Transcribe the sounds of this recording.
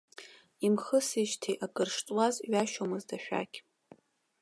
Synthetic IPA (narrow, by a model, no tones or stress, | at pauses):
imχəsiʃtʰejʔakʼɨrʂtʼwazɥaʃomɨzdaʃᶣa̰kʲʼ